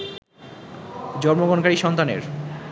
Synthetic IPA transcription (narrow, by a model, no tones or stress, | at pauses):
d͡ʑɔɾmoɡɔnkaɾiʃɔnt̪anḛɾ